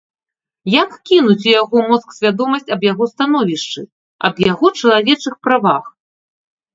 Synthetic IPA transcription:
jakkʲinut͡sʲujaɣɔmɔt̪sksʲvʲad̪ɔmɐsʲt͡sʲɐbjaɣɔst̪an̪ɔvʲiʂt͡ʂɨ | ɐ̰bjaɣɔt͡ʂɐlˠavʲɛt͡ʂɨxpɾavax

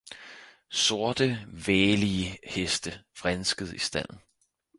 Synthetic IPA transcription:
so̝ɐd̥əʋɛːliəhesd̥əfʁansɡ̥əð̞̩ˠisd̥æn̰n̩

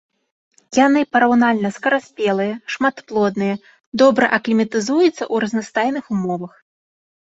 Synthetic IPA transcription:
janɨpɐɾawnalʲnɐskɐɾasʲpʲɛlˠɨjɐʂmat̪plˠɔd̪nɨjɐ | d̪ɔbɾɐ̰ʔɐklʲimʲɐt̪ɨzujut̪sːɐ̰ʔuɾɐznast̪ajnɨxumɔvɐx

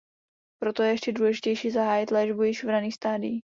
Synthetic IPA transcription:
pɾot̪ojɛjɛʃcɛduːlɛʒɪcɛjʃiːzaɦaːjɪt̪lɛːʒbujɪʃvdaniːst̪aːdɪji

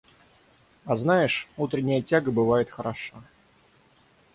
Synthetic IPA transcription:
ɐznajɪʂut̪ɾʲɪnʲːɪjətʲaɡəbɨvajɪt̪xəɾɐʂa

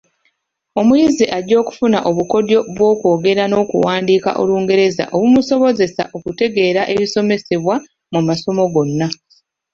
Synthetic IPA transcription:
o̞mujiziʔaɟo̞ːku̥funaʔo̞βuko̞djo̞βwo̞ːko̞ːɡe̞ɾano̞ːkṵwaːndiːka̰ʔo̞̰luːŋɡe̞ɾe̞za̰ʔo̞βumuso̞βo̞ze̞sa̰ʔo̞kute̞ɡe̞ːɾaʔe̞βiso̞me̞se̞βwa | mumaso̞mo̞ɡo̞nːa

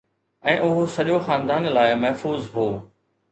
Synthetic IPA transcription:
ɛ̃ːʔʊɦosɐʄoxãːnd̪aːnlaːɪmɐɦfuːzɦoː

